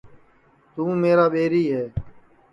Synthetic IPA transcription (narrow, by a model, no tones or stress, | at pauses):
t̪ũːmeːɾaːɓeːɾiːɦɛː